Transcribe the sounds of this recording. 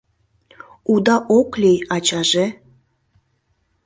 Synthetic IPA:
ud̪ɑʔoklʲejɑt͡ɕɑʒe

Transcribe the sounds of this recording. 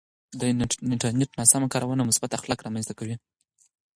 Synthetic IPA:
d̪əɪɳʈaɾneʈnɑsamakɑɾawɑnamʊsbat̪axlɑkɾɑmanzt̪akawi

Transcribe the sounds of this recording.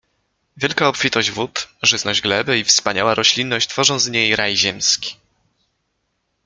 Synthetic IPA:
vʲjɛlkaɔpfʲit̪ɔʑd͡ʑvut̪ʐɘznɔʑɡlɛbɘifspaɲawaɾʔɔɕlʲinːɔɕt͡ɕt̪fɔʐɔ̃w̃zɲejɾajʑɛmskʲi̥

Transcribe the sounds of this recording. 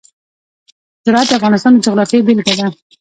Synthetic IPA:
sɪɾɑat̪̚d̪əafɣɑnɪst̪ɑnd̪əd͡ʒaɣɾɑfjebɪlɡad̪a

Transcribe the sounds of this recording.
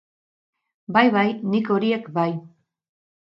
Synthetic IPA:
bajβajniko̞ɾie̞kbaj

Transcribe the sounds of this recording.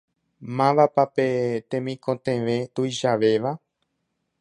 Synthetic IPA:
mãʋapapet̪ẽmĩkõt̪ẽʋẽt̪ujʃaʋe̞ʋa

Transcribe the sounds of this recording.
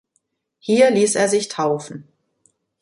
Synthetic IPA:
hiːɐliːseːɐzɪçtʰaʊfn̩

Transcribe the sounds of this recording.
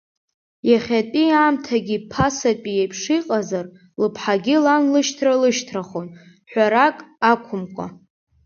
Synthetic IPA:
jaχʲatʼiaːmtʰaɡʲipʰasatʼijejpʰʂiqʼazar | lɨpʰħaɡʲilanlɨʃtʰralɨʃtʰraχon | ħʷᶣaɾakʼakʷʰʊmkʷʼa̰

